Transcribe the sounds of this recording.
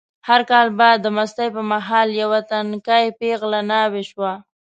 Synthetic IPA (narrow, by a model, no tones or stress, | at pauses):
haɾkɑlbad̪ːəmast̪ajpəmaɦɑljawat̪ankajpeɣlanaweʃwa